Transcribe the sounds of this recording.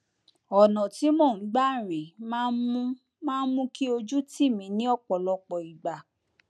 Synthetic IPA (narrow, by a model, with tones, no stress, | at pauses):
ɔ˨nɔ̃˨ti˨˦mɔ̃˦˨ñ̩˨˦ɡ͡ba˦˨ɾ̃ĩ˨mã˦mũ˦ | mãː˦mũ˦ki˦o˧d͡ʒu˦ti˦˨mĩ˧˦nĩ˦ɔ˦˨k͡pɔ˨lɔ˧k͡pɔ˨i˨ɡ͡ba˨